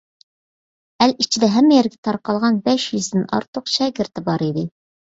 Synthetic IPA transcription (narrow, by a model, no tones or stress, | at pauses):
ælit͡ʃʰid̪ɛɦɛmːɛjɛɾɡʲɛ̥t̪ʰɑɾqɑlˠʁɑnbɛʃjyzd̪ɪnɑ̰ɾt̪oqʃɛɡʲɪɾt̪ɪbɑɾid̪ɪ